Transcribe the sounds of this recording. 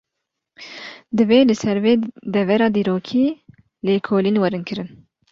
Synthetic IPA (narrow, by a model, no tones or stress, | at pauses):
d̪ɨveːlɨsɛɾveːd̪ɛvɛɾɑːd̪iːɾoːkʰiː | leːkʰoːliːnwɛɾɨnkʰɨɾɨn